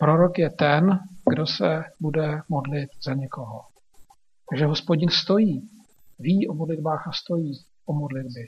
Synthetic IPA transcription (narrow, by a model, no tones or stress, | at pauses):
pɾo̞ɾo̞kjɛt̪ɛnɡdo̞sɛbudɛmodlɪt̪zaɲɛko̞ɦo | t̪aɡʒɛɦo̞spoɟɪnst̪o̞jiː | viːʔo̞modlɪdbaːxast̪o̞jiː | ʔo̞modlɪd̚bɪ